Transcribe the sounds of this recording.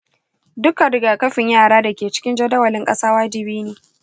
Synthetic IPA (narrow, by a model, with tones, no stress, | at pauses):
dʊ˦kːa˨ɽʊ˨ɡaː˨kɐ˦ɸɪ˨ɲjaː˦˨ɽaː˦da˨kʲeː˨t͡ʃɪ̥˦kʲɪ˦nd͡ʒɐ˦dɐ˦wɐ˨lɪ˦ŋkʼɐ˦saː˦waː˦d͡ʒɪ˨biː˦neː˨